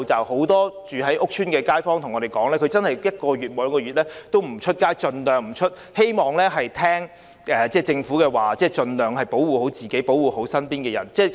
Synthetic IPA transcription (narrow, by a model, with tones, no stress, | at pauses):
wt͡sɐ˨who˨˥wt̪ɔː˥t͡ʃyː˨ɦɐ˨˥jʔʊ˥k̚t͡ʃʰyː˥nkɛː˧kaː˥jfɔː˥ŋt̪ʰʊ˨˩ŋɔ˨˧ɾe˨˩jkɔː˨˥ŋlɛː˥kʰɵ˨˧˥t͡sɐ˥nhɐ˨jjɐ˥t̚kɔː˧ɥyː˨t̚mo˨˧jŋkɔː˧yː˨t̚lɛː˥t̪o˥wm̩˨˩t͡ʃʰɵ˥t̚kaː˥jt͡ʃɵ˧nlœː˨ŋm̩˨˩t͡ʃʰɵ˥t̚he˥jmɔː˨˩ŋlɛː˥ɦɐ˨jt̪ʰɛː˥ŋ | ʔɛː˨˩t͡sɛː˥˩t͡sɪ˧ŋfuː˨˥kɛː˧waː˨˩t͡sɛː˥˩t͡ʃɵ˧nlœː˨ŋɦɐ˨˩jpo˨˥wwuː˨˩ho˨˥wt͡siː˨˩ke˨˥po˨˥wuː˨˩ho˨˥wsɐ˥npiː˥nkɛː˧jɐ̰˨˩nt͡sɛː˥˩